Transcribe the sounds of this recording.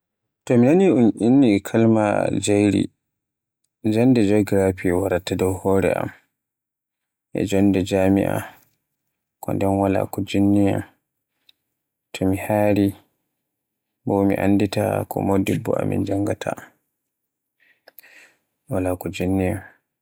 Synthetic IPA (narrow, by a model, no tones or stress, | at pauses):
tɔminaniunʔinːikʰalma̰d͡ʒajɾḭ | d͡ʒɔnːdɛd͡ʒɔɡɾapiwaɾatːadɔwhɔːɾɛ̰ʔa̰m | ʔɛ̰d͡ʒɔndɛd͡ʒaːmḭʔa̰ | kɔ̰ndɛnwala̰kɔd͡ʒinːija̰m | tʰɔmihaːɾi | bɔmḭʔa̰nːdita̰kʰɔ̰modibːɔ̰a̰mḭnd͡ʒaŋɡatʰa̰ | walakɔd͡ʒinːijam